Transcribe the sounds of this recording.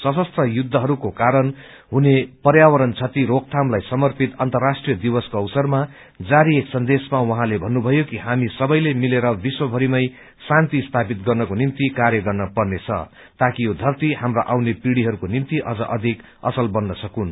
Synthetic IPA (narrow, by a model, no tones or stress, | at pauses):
sʌsʌst̪rʌjud̪ʱːʌɦʌɾukokaɾʌn | ɦunepʌrjawʌɾʌnt͡sʰʌt̪iɾok̚t̪ʰamlajsʌmʌrpit̪ʌnt̪ʌrasʈrijʌd̪ibʌskoʌwsʌrma | d͡zaɾieksʌnd̪esmawʌɦãlebʱʌnːubʱʌjokiɦamisʌbʌjlemileɾʌbiswʌbʱʌɾimʌj | sant̪ist̪ʰapit̪̚ɡʌrnʌkonimt̪ikarjʌɡʌrnʌpʌrnet͡sʰʌ̰ | t̪akijod̪ʱʌrt̪ihamraʔawnepiɽiɦʌɾukonimt̪iʔʌ̰d͡zʌ̰ʔʌd̪ʱik | ʌ̰sʌlbʌnːʌsʌkun